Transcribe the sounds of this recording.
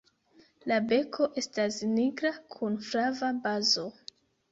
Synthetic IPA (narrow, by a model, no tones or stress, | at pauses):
labe̞kʰo̞ʔe̞stasniɡɾakʰunfɾavabazo̞